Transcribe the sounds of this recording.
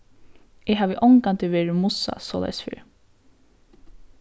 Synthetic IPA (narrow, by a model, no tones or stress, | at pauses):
ɛɦaːʋɪʔɔŋkant̪ɪʋeːɹɪmʊsa̰sɔːla̰jsfɪ̰ːɾ